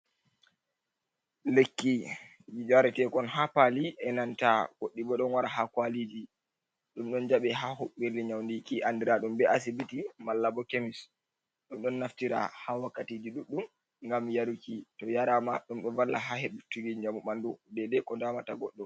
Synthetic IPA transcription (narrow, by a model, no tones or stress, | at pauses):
lekːi | jid͡ʒaɾɛtɛkɔnɦapaliɛnantaɡ̥oɗːibɔɗɔnwaɾaɦakwalid͡ʒi | ɗumɗɔnd͡ʒaɓɛɦahoeliɲawndikiʔandiɾaɗumbɛas̬ibitimalːabɔkemis | ɗɔmɗɔnːaftiɾa̰hawakːatiːd͡ʒiɗuɗːum | ŋɡamjaɾukitɔjaɾamaɗumɗɔvalːaɦaheɗutːuɡiɲd͡ʒamuɓandɔdɛdɛkɔndamataɡɔɗːɔ